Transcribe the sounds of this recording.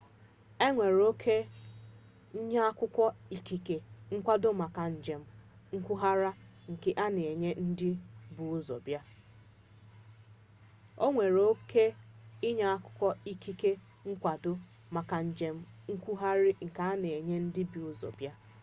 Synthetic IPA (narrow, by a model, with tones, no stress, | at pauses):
e˦ŋʷe˨ɾo˦kʰe˦ | ɲa˦a˦kʊ˦kʷɔ˦i˨ki˨ke˨ŋ̩˦kʷa˦dʊ˦ma˨ka˨ɲ̩˨d͡ʒe˨m̩˦ | ŋ̩˦kʷu˦ɦa˦ɾa˦ŋ̩˨ke˨ʔa˦ne˨e˨ɲe˦n̩˦dɪ˦bu˨˦zo̰˨bja˦ | o˦ŋʷe˨ɾo˦ke˦ɪ˦ɲa˦a˦kʷʊ̥˦kʷɔ˦i˦ki˦ke˦ | ŋ̩˦kʷa˨dʊ˦ | ma˨ka˨ɲ̩˨d͡ʒe˨m̩˦ŋ̩˦kʷu˦ɦa˦ɾɪ˦ŋ̩˨ka˨a˦ne˨e˨ɲe˦n̩˦dɪ˦bi˨u˦zo̰˨bja˦